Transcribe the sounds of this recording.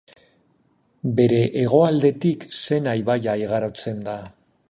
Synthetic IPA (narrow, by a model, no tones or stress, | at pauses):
be̞ɾe̞ʔeɣ̞o̞ald̪e̞t̪ikse̞najβajaiɣ̞aɾo̞t͡se̞nd̪a